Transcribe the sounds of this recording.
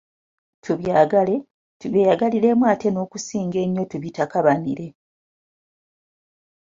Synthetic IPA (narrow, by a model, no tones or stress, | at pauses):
tʰuβjaːɡale̞ | tuβeːjaɡaliɾe̞mwaːte̞no̞ːkusiːŋɡe̞ɲːo̞tuβitakaβaniɾe̞